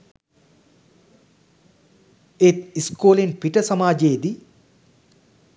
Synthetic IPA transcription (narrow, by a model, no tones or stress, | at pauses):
et̪iskoːlenpiʈəsɐmaːd͡ʒeːd̪i